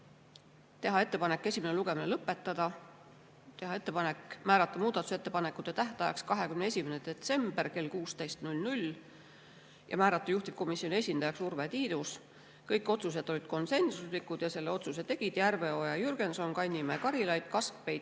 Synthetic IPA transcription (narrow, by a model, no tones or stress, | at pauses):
t̪e̞ɦɑe̞t̪ːe̞pɑne̞kːˑe̞sʲimeneluɡe̞minelɤpːˑe̞t̪ːˑɑd̪̥ɑ | t̪e̞ɦɑe̞t̪ːˑe̞pɑne̞kːˑmæːɾɑt̪ːˑɑmuːd̪̥ɑt̪ːˑu̥set̪ːe̞pɑnekːˑut̪ːˑet̪æht̪ˑɑjɑkskɑɦe̞kymneesʲimened̪̥e̞t̪se̞mb̥erke̞lkuːst̪e̞jst̪nulʲnulʲ | jʔɑ̰mæːɾɑt̪ːˑɑjuht̪ip̚ko̞misːionie̞sʲind̪̥ɑjɑksurve̞t̪iːd̪̥us | kɤjkːˑo̞t̪sus̬e̞d̪o̞lʲid̪̥ko̞nse̞nsuslikːˑud̪̥jɑse̞lːeo̞t̪suse̞t̪ːe̞ɡ̥id̪̥jærve̞ojɑjyrɡ̥e̞nso̞nkɑnʲːimekɑɾilɑjd̪̥kɑsk̚pe̞jd̪̥